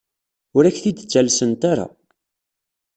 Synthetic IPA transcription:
ʊɾæçθid̪t͡sːælsənt̪aɾa̰

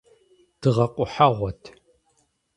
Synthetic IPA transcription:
d̥ɨʁɐqʷʼʊħaʁʷɔtʰ

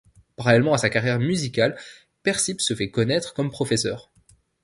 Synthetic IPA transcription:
paʁalɛlmɑ̃asakaʁjɛʁmyzikʲal | pɛʁsipsəfɛkɔnɛt̪χkɔmpχɔfɛsœːʁ

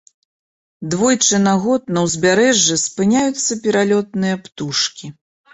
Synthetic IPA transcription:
d̪vɔjt͡ʂɨnaɣɔt̪̚nɐwzʲbʲaɾɛʐːɨspɨnʲajut̪sːɐpʲɛɾalʲɔt̪̚nɨjɐpt̪uʂkʲi

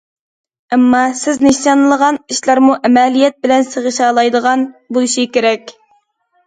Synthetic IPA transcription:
ɛmːɑsɪznɪʃɑnlˠəʁɑniʃlˠɑɾmuʔɛmɛlijɛt̪̚bɪlɛnseʁəʃɑːlˠɑjd̪əʁɑnbuiʃikʲeɾɛkʲ

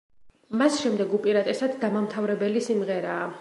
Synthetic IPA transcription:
masʃɛmd̪ɛɡupʼiɾat̪ʼɛsad̪d̪amamt̪ʰavɾɛbɛlisimʁɛɾaː

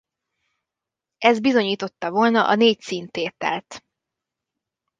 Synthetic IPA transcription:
ɛzd̪̚bizo̞ɲiːt̪o̞t̪ːɒvo̞lnɒʔɒneːct̪siːnt̪eːt̪ɛ̰lt̪

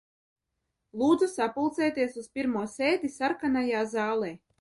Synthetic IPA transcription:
lˠuːd̪zusapulˠt̪sɛːt̪iɛsuspʲiɾmuɔsʲeːd̪isaɾkanajaːzɑːlˠɛː

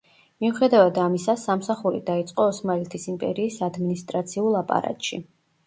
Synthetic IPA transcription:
miuχɛd̪avad̪amisasamsaχuɾḭd̪ait̪sʼqʼɔːsmalɛt̪ʰisimpʼɛ̰ɾiːsad̪minist̪ʼɾat̪sʰiulˠːapʼa̰ɾa̰t̪ʼʃḭ

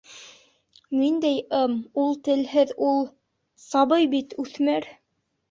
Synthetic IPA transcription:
nind̪æjɤmulˠt̪ɘ̆lɦɘðulˠ | sɑβɤjbit̪ʉθmæɾ

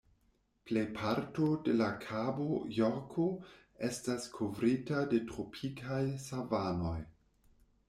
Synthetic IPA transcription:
ple̞jpʰaɾtode̞lakʰabojokʰo | e̞staskʰovɾitade̞tɾopʰikʰajsavano̞j

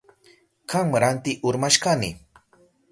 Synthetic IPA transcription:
kaŋmaɾant̪ɪʔʊɾmaʃkanɪ̰

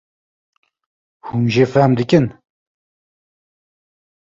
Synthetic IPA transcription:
humʒefɛmd̪ɨkɨn

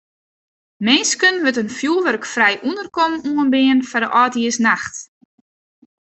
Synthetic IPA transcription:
mɪːskənʋøtənfjulˠʋørkfrɛjʔundərkɔmuənbɪənfadəʔɔːtiəsnaxt

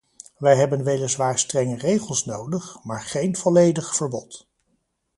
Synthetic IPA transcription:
ʋɛjɦɛbənʋejləzʋaːɹstrɛŋərejχəlˠsnowdəχmaːɹχejnvɔlejdəχfəɹbɔ̰t

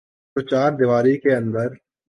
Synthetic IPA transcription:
sʊt͡ʃaːɾd̪ɪʋaːɾikeɐ̃nd̪əɾ

